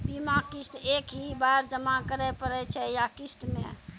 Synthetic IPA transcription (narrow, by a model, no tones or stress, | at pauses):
bimakist̪ekɦibajɾd͡ʒəmakəɾɛpəɾɛt͡ʃʰɛjakist̪mḛ̃